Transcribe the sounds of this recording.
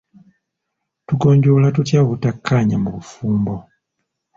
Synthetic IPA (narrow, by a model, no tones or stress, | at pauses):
tuɡo̞ːɲɟo̞latutjaβutakːaɲamuβufuːmbo̞